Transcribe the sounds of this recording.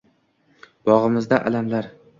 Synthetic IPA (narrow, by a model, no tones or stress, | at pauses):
b̥ɒʁɨmɪzd̪aʔa̰lamlaɾ